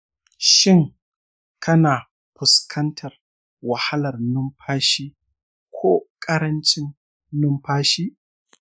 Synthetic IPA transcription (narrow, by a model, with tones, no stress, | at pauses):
ʃɪ˦˨ŋ | kʰɐ˦naː˨ | ɸʊ˨skʰɐ˦ntʰɐ˨r | wɐ˨ha˦lɐ˨rnʊ˦mɸʰaː˦ʃiː˦ | kʷʰoː˦kʼɐ˦ɾɐ˦nt͡ʃɪ˦nː | ʊ˦mɸaː˦ʃiː˦